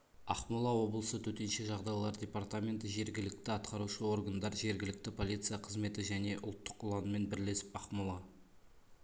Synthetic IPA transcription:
ɑqmulˠɑwo̞blˠəsət̪ʰɵt̪e̞nʃe̞ʒɑʁd̪ɑjlˠɑɾdʲe̞part̪amʲe̞nt̪əʒe̞ɾɡʲɪlɪk̚t̪ɪɑt̪qɑɾuʃəo̞ɾɡand̪ɑɾʒe̞ɾɡʲɪlɪk̚t̪ɪpʰo̞lʲˠit̪sɨjaɑqʰəzme̞t̪ɪʒæne̞ʔʊlˠt̪ːə̥qʊlˠɑnəme̞nbɪɾle̞sɪpɑqmulˠɑ

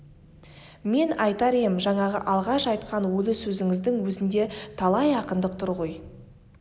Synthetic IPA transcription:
me̞nɑjt̪ɑɾemʒɑɴɑʁə̰ʔɑlˠʁɑʃɑjt̪qɑnwɵlɪsɵzɪŋɪzd̪ɪŋwɵzɪnd̪e̞t̪ʰɑlˠɑjɑqənd̪əq̚t̪ʰʊɾʁo̞j

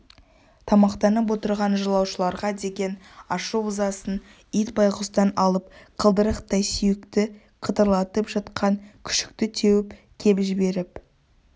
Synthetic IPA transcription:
t̪ʰɑmɑqt̪ɑnəp̬wo̞t̪əɾʁɑnʒəlˠɑwʃəlˠɑɾʁɑd̪e̞ɡʲe̞n | ɑʃuʊzɑsən | ijt̪̚bɑjqəst̪ɑnɑlˠəp̚qʰəlˠd̪əɾəqt̪ʰɑjsʏjɪkt̪ɪ | qʰət̪əɾlˠɑt̪əpʒɑt̪qʰɑŋkʲʰʏ̥ʃɪ̥k̚t̪ɪt̪ʰe̞wɪp | kʲʰe̞pʒɪbe̞ɾɪp

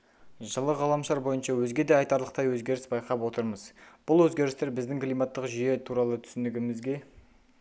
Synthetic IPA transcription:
ʒəlˠəʁɑlˠɑmʃɑɾbo̞jənʃɑwɵzɡʲe̞d̪eɑjt̪ɑɾlˠəqt̪ɑjwɵzɡʲe̞ɾɪsbɑjqɑpwo̞t̪əɾməzb̥ʊlˠwɵzɡʲe̞ɾɪst̪e̞ɾbɪzd̪ɪŋklˠijmɑt̪ːəqʒije̞t̪ʰuɾɑlˠət̪ʰʏ̥sɪnɪɡʲɪmɪzɡʲe̞

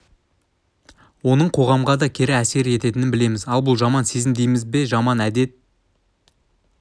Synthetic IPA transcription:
wo̞nəɴqʰo̞ʁɑmʁɑd̪ɑkʲʰe̞ɾɪæse̞ɾe̞t̪e̞t̪ɪnɪnbɪle̞mɪzɑlˠbʊlˠʒɑmɑnse̞zɪmd̪e̞jmɪzbe̞ʒɑmɑnæd̪e̞t̪̚

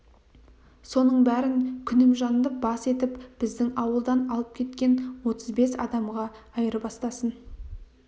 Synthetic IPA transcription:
so̞nəɴbæɾɪŋkʲʰʏnɪmʒɑnd̪əbɑse̞t̪ɪpb̥ɪzd̪ɪŋɑwəlˠd̪ɑnɑlˠəp̚kʲʰe̞t̪kʲe̞nwo̞t̪əzbe̞sɑ̰d̪ɑmʁɑ | ɑjəɾəbɑst̪ɑsən

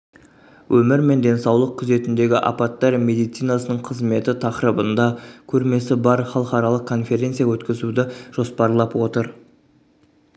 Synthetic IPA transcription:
wʔɵmɪɾme̞nd̪e̞nsɑwlˠəq̚kʲːʰʊze̞t̪ɪnd̪e̞ɡʲɪʔɑ̰pɑt̪ːɑɾme̞d̪ijt̪sijnasənəɴqʰəzme̞t̪ɪt̪ʰɑqɾəbənd̪ɑkʲʰɵɾme̞sɪbɑɾχɑlˠəqɑɾɑlˠəqkʰːo̞nfe̞ɾʲe̞nt̪sijawɵt̪kʲɪzud̪ɪʒ̥o̞spɑɾlˠɑpwo̞t̪əɾ

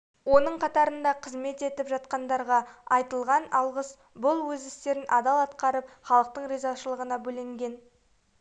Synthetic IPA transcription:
wo̞nəɴqʰɑt̪ɑɾənd̪ɑqʰəzme̞t̪e̞t̪ɪpʒɑt̪qɑnd̪ɑɾʁɑɑjt̪əlˠʁɑnɑlˠʁəs | bʊlˠwɵzɪst̪e̞ɾɪnʔɑd̪ɑlˠɑt̪qɑɾəp̚χɑlˠəq̚t̪əɴɾezɑʃəlˠəʁənɑbɵlɪŋɡʲe̞n

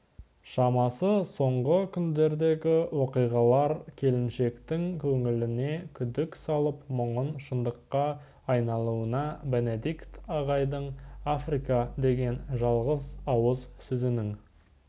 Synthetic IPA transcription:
ʃɑmɑsəso̞ɴʁəkʲʰʏnd̪e̞ɾd̪e̞ɡʲɪwo̞qijʁɑlˠɑɾkʲʰe̞lɪnʃe̞kt̪ɪŋkʲʰɵŋɪlɪne̞kʲʰʏd̪ɪksɑlˠəpməɴənʃənd̪əqːɑː | jnɑlˠuənɑbe̞ne̞d̪ikt̪ɑʁɑjd̪əɴafrikɑd̪e̞ɡʲe̞nʒɑlˠʁəzɑwəzsʏzɪnɪŋ

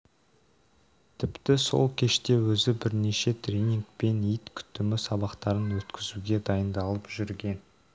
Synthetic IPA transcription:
t̪ʰɪpt̪ɪso̞̰lˠkʲʰe̞ʃt̪e̞wɵzɪbɪɾneʃe̞t̪ʰrʲeniŋk̚pe̞nijt̪kʲʰʏ̥t̪ːɪmɪsɑβɑqt̪ɑɾənwɵt̪kʲʰɪzuɡʲe̞d̪ɑjənd̪ɑlˠəpʒʏɾɡʲe̞n

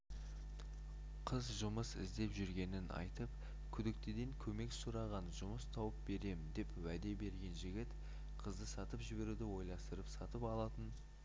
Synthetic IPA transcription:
qʰəzʒʊməsɪ̰zd̪e̞pʒʏɾɡʲe̞nɪnɑ̰jt̪əp | kʲʰʏd̪ɪk̚t̪ed̪eŋkʲʰɵme̞ksʊɾɑʁɑnʒʊməst̪ʰɑwəp̚be̞ɾe̞mɪnd̪e̞pwæd̪e̞be̞ɾɡʲe̞nʒɪɡʲɪt̪ | qʰəzd̪əsɑt̪əpʒɪbe̞ɾud̪ɪwo̞jlˠɑst̪əɾəpsɑt̪əpɑlˠɑt̪ən

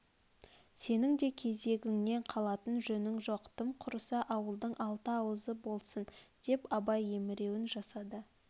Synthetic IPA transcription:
se̞nɪŋd̪e̞kʲʰe̞ze̞ɡʲɪŋne̞ɴqʰɑlˠɑt̪ənʒɵnɪŋʒoqt̪əmqʰʊɾəsɑʔɑwəlˠd̪əɴɑlˠt̪əɑwəzəbo̞lˠsənd̪̥e̞pɑbɑje̞mɪɾe̞wɪnʒɑsɑd̪ə

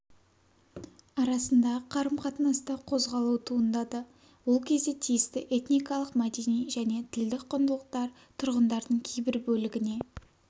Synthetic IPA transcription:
ɑɾɑsənd̪ɑʁəqʰɑɾəmqʰɑt̪ənɑst̪əqʰo̞zʁɑlˠuwt̪ʰuənd̪ɑd̪ə | wo̞lˠkʲʰe̞zd̪e̞t̪ʰijɪst̪ɪʔe̞t̪nijkɑlˠəqmad̪e̞nijʒæne̞t̪ʰɪld̪ɪk̚qʰʊnd̪əlˠəq̚t̪ɑɾ | t̪ʰʊɾʁənd̪ɑɾd̪əɴkʲʰejbɪɾbɵlɪɡʲɪne̞

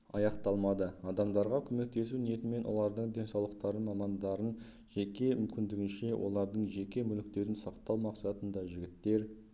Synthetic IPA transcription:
ɑjɑqt̪ɑlˠmɑd̪əɑd̪ɑmd̪ɑɾʁɑkʲʰɵme̞k̚t̪e̞s̬unije̞t̪ɪme̞nwo̞̰lˠɑɾd̪əɴd̪e̞nsɑwlˠəq̚t̪ɑɾənmɑmɑnd̪ɑɾən | ʒe̞kʲe̞mʏmkʲɪnd̪ɪɡʲɪnʃe̞wʔo̞̰lˠɑɾd̪əɴʒe̞kʲe̞mʏlɪkt̪e̞ɾɪnsɑqt̪ɑwmɑqsɑt̪ənd̪ɑʒɪɡʲɪt̪ːe̞ɾ

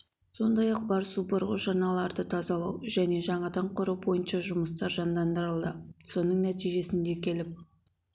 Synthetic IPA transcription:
so̞nd̪ɑjɑq̚bɑɾsubəɾʁʊʒɑnɑlˠɑɾd̪ət̪ʰɑzɑlˠɑwʒæne̞ʒɑɴɑd̪ɑɴqʰʊɾuwbo̞jənʃɑʒʊməst̪ɑɾʒɑnd̪ɑnd̪əɾəlˠd̪əso̞nəɴnæt̪ijʒe̞sɪnd̪e̞kʲʰe̞lɪp̚

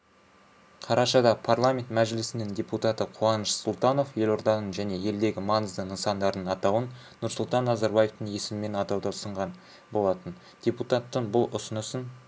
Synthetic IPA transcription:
qʰɑɾɑʃɑd̪ɑpʰarlˠamʲe̞nt̪mæʒɪlɪsɪnɪŋdʲe̞put̪ɑt̪əqʰuɑnəʃsolˠt̪ɑno̞fje̞lo̞ɾd̪ɑnəɴʒæne̞je̞ld̪e̞ɡʲɪmɑnəzd̪ənəsɑnd̪ɑɾd̪əɴɑt̪ɑwən | nʊɾsʊlˠt̪ɑnːɑzɑɾbajeft̪əŋe̞sɪmɪme̞nɑt̪ɑwd̪ɑsəɴʁɑn | bo̞lˠɑt̪ən | d̪̥ʲe̞put̪ɑt̪ːəɴbʊlˠʊsʊnəsən

